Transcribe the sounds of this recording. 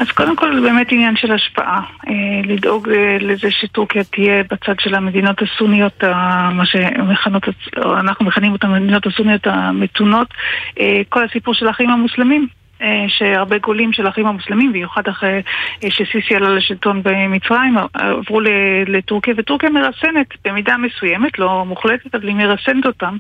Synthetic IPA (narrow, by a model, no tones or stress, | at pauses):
ʔaz̥ko̞de̞mko̞lbe̞ːmetinjanʃe̞laʃpa̰ʔaelidʔo̞ɡlezeʃe̞tuʁkijatije̞bat͡sadʃe̞lame̞dino̞tasunijo̞tamaʃemeχano̞tao̰anaχnumeχanimotamedino̞thasunijo̞tame̞tuno̞teko̞lhasipuʁʃe̞laχaimamuslemim | eʃe̞aʁbe̞ɡo̞limʃelaχaimamuslemimbimjuχadaχejʃesisialaleʃilto̞nbe̞mit͡sʁaimavʁuleletuʁkijavetuʁkijameʁasene̞tb̥e̞midame̞suje̞me̞tlo̞muχletetavalimeʁase̞neto̞tam